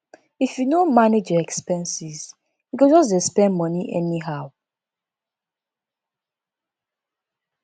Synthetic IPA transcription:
ifjunomaned͡ʒɔɛkspɛ̃nsiz | jukod͡ʒɔs̬dɛspɛ̃nmɔniʔɛ̰niɦaʊ

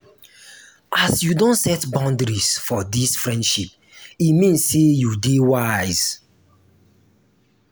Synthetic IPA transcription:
ʔasjudõntsɛtbãndɾisfɔdisfɹɛ̃ndʃip | imĩnsːejudewajz̥

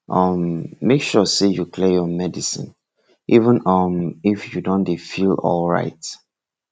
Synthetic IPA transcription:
ʔʌmːekʃɔsejukʰlejɔmɛdisɪ̰̃n | ʔivə̃nʌmifjudõndefilɔ̰lˠɹa̰ɪt

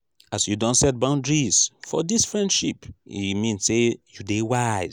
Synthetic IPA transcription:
asjudɔ̃ntsɛt̚bãʊ̃ndɹizfɔ̰disfɹɛ̃ndʃipḭmĩnssejudewaɪ

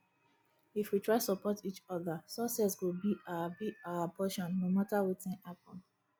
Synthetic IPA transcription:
ifwitʰɹaɪtsɔpɔtit͡ʃɔðasɔsɛswobiʔaabiaapɔʃɔ̃nːomatawetɛ̃nhapɔ̃n

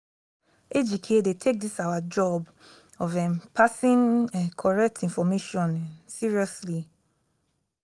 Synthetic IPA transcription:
ed͡ʒikʰedetʰek̚disawad͡ʒɔb | ɔvɛ̃mpʰasĩnɛkʰɔɹɛk̚tʰĩnfɔmeʃɔ̃nsiɹiɔsli

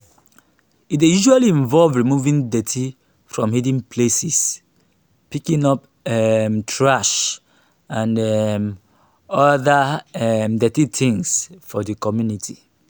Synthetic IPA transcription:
itdejuʒualiĩɱvɔlvɹimuvĩŋdɛtʰi | fɹɔ̃mhidĩŋpʰlesis | pikĩŋɔp | ɛmtʰɹaʃ | ãndɛm | ɔðaɛmdɛtitĩŋsfɔðəkɔmjunitʰi

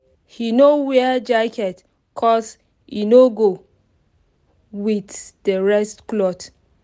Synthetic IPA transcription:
hinowɛd͡ʒakʰɛt | kʰɔs | ḭnoɡo | witdəɹɛstklɔt

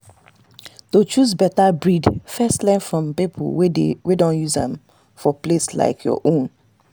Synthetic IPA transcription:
tot͡ʃuzbɛtabɹidfɛstlɛ̃nfɹɔ̃mpipʰo̰lwewedɔ̃njuzã̰m | fɔplesla̰ɪkʰjɔ̰ʔõn

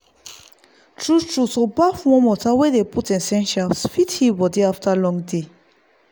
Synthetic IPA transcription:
tʰɹustʰɹusobafwɔ̃mɔtʰawed̪eputɛ̃nsɛ̃nʃalsfithiwɔdeaftʰəlɔ̃ŋde

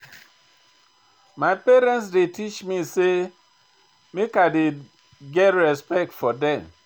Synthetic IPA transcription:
majpeɾɛ̃nts̬detit͡ʃmise | mekade | ɡɛtɹɛspɛk̚tfɔdɛ̃m

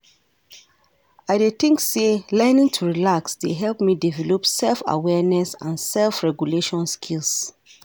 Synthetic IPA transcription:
aɪdeθĩŋkselɛnĩŋtʰuɹilaksdeɦɛlpmidivɛlɔpsɛlfa̰wɛnɛsãnsɛlfɹɛɡjuleʃɔ̃nskʰils

